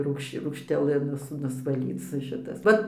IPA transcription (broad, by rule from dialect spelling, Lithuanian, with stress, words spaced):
ˈruːkʃ ruːkʃʲtʲɛˈlˠɨ ˈnʊs nʊsʋɐˈlʲiːt͡s ˈʃʲɪtɐs ˈʋɐt